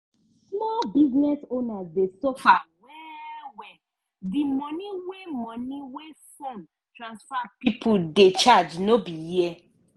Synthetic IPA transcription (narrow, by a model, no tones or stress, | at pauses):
smɔlbiznɛsonazdesofawɛwɛ | dimɔniwemɔ̃niwefon | tɾãnsfapipʰudet͡ʃad͡ʒnobije